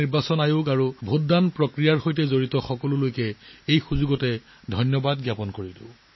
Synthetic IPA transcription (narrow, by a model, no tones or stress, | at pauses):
iɹbasɔnajukaɹubʱuddanpɹɔkɹijaɹxojtɛzoɹitɔxɔkɔlʊlojkɛejxuzuɡɔtɛ | dʱɔjnjɔbadɡjapɔnkoɹidʊ̰